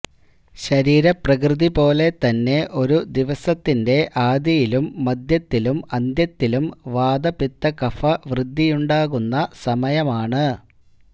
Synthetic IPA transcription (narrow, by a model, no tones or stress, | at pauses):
ɕɐɾiːɾɐprɐkrɨðipo̞ːle̞t̪ɐnːe̞ʔo̞ɾud̪iʋɐsɐt̪ːinde̞ʔaːd̪jɐjilumːɐd̪jɐt̪ːilumɐnd̪jɐt̪ːilumʋaːd̪ɐpit̪ːɐkɐfɐʋrɨd̪ʱːijuɳɖaːɣunːɐsɐmɐjɐmaːɳɨ